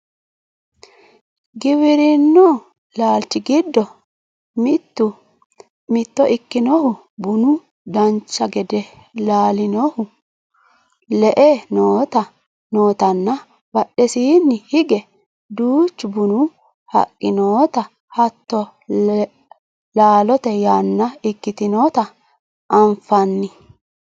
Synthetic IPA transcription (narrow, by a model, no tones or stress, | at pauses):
ɡɪβɪɾɪnːɔ | laːlt͡ʃːɪɡɪd̪ːɔ | mɪt̪ːʊ | mɪt̪ːɔʔɪkːɪnɔhʊ | bʊnʊ | d̪ɐnt͡ʃːɐɡɛd̪ɛ | laːlɪnɔhʊ | lɛʔenoːt̪ɐ | no̞ːt̪ɐnːɐ | bɐɗɛsiːnːɪhɪɡɛ | d̪uːt͡ʃːʊbʊnʊ | hɐ̰kʼːɪnoːt̪ɐ | hɐt̪ːɔ | laːlɔt̪ɛjaːnːɐɪkːɪt̪ɪnoːt̪ɐ | ʔɐɱfɐnːɪ